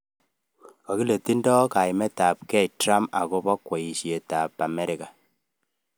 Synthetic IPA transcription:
kɔ˨ki˦le˨ti˦ndɔ˦ka˨jmɛ˦ta˨p̚kɛ˦jtɾa˦ma̰˨ko˦pɔ˦kwɔ˨i˨ʃe˨ta˨pa˨mɛ˦ɾi˨ka˨

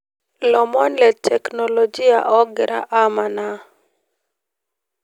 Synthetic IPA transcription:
lɔ˨mɔ˦nlɛ˨tʰɛ˨kno˨lo˨d͡ʒi˦a̰˨ʔɔ˦ɡɪ˨ɾa̰˦ʔa˦ma˨na˦

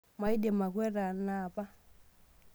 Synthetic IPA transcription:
ma˨i˦dɛ˨ma˨kwɛ˦ɾa˨na˨pa˦

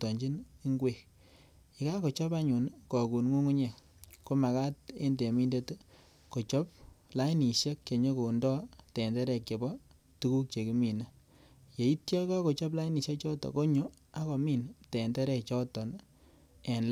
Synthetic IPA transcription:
tɔ˨ɲd͡ʒi˦ni˦ŋɡwe˦k | ɪ˨ka˦ko˨t͡ʃɔ˦ba˦ɲu˨nkɔ˨ku˨nŋu˦ŋu˦ɲe˨ | ko˦ma˨ka˦t̚ḛ˦nde˨mi˦nde˦t | ko˨t͡ʃɔ˦p̚la˦i˦ni˨ʃe˦kke˨ɲo˦ko˨ndɔ˦tɛ˨ndɛ˦ɾɛ˨ke˨bɔ˦ | tu˦ku˦k̚t͡ʃe˨ki˨˦mi˨na˦ | je˨i˦tjɔ˦kɔ˦ko˨t͡ʃɔ˦p̬la˦jni˨ʃje˦k̚t͡ʃɔ˦tɔ̰˨ko˦ɲo˦ | a˦kɔ˨mi˦ntɛ˨ndɛ˦ɾɛ˨kt͡ʃɔ˦tɔ˨n | e˨nl

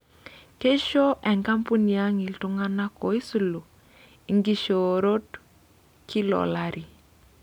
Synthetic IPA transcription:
ke˦ʃo˦ʔɛ˨ŋka˦mpu˦ni˨a˦ŋɪ˨ltu˦ŋa˦na˦kɔ˨i˦su˨lo˨ | i˨ŋɡi˦ʃo˨ɾo˦t | kʰi˦lɔ̰˨la˦ɾi˨

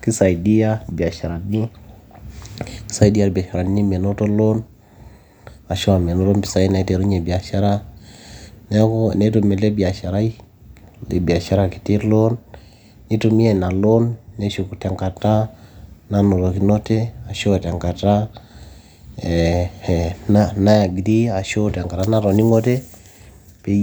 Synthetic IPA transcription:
ki˦sa˨i˨di˦a˦˨bi˨a˨ʃa˨ɾa˨ni˦ | ki̥˦sa˦i˦di˦a˦ɾbi˨a˨ʃa˨ɾa˨n˦ni˦m˨e˨no˦to˦lo˦n | a˨ʃɔ˦a˨m˨ɛ˨nɔ˦to˦mpi˨sa˦i˦na˨i˦te˨ɾu˦ɲe˨bi˨a˨ʃa˦ɾa˦ | ne˦ko˦˨ne˦to˨mɛ˨le˦bi˨a˨ʃa˨ɾa˦i˦ | le˨bi˨a˨ʃa˦ɾa˦ki̥˨ti˦ɾlo˦n | ni˦to˨mi˦e˦na˨lo˦nːe˦ʃu˨ku˨ta˨ŋka˨ta˦na˦no˨ɾo˨ki˦no˦te˦a˨ʃo˦ta˨ŋka˨ta˦˨ | na˦na˦ja˨ɡi˨di˦a˨ʃo˦ta˨ŋka˨ta˦na˦ɾɔ˨ni˦ŋo˦te˦ | pe˦

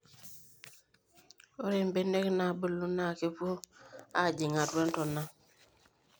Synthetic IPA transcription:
o˦ɾe˨mbe˦ne˦kna˨bə˦lːu˦na˦˨ke˦po˦a˦˨d͡ʒi˨ŋa˨twe˦n˦tɔ˨na˦

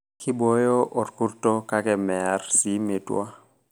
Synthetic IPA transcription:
kʰɪ˦bo˦jo˦ʔɔ˨tku˦rto˦ka˦kɛ˨mɛ˨a˨rsi˦me˨twa̰˦

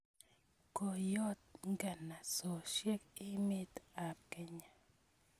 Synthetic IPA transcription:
ko˨jɔ˦t̪̚ŋɡɛ˨na˨sɔ˨ʃje˦kɪ˦mɪ˦t̪a˨p̚kɛ˦ɲa˨

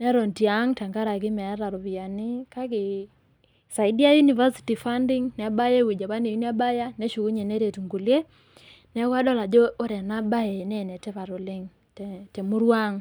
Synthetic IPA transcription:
nɛ˦ɾɔ˨nti˨a˨˦ŋta˨ŋɡa˦ɾa˨ɡɪ˦m˨a˨˦ɾa˨ɾɔ˨βi˨a˨nɪ˦ka˦ɡɪ˨ | sa˨ɪ˦di˦a˦ju˦ni˨va˦si̥˦ti˨fa˦ndɪ˦ŋnɛ˨a˨ba˦je˦wi˨d͡ʒa˨βa˦ne˨u˦ni˦a˦ba˦ja˦nɛ˦ʃu˨ku˦ɲe˨ne˦ɾe˨tu˨ŋɡu˨lje˦ | nɛ˨˦ka˦dɔ˦la˨d͡ʒo˦o˦ɾɛ˨na˦ba˦je˨nɛ˦nɛ˨tɛ˦va˨ɾʊ˨lɪ˦ŋ˨ | tɛ˨mu˦ɾwa˦ŋ

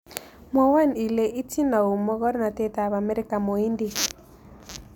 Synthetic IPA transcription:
mwa˨wa˦ni˨le˨ʔi˦ti˦na˨u˨mɔ˦ɣɔ˦ɾna˨tɛ˦ta˨βa˨mɛ˦ɾe˦ka˨mo˨i˦ndi˨

